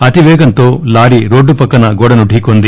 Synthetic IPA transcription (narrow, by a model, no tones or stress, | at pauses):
ɐt̪iʋɛːɡɐnt̪oːlaːɽiɾoːɖːupɐkːɐnɐɡɔɽɐnuɖʱiːkond̪i